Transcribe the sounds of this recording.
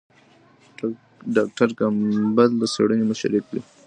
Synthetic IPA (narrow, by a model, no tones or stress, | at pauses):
ɖɑk̚ʈaɾkambald̪əsḛɽənemʊʃa̰ɾikwi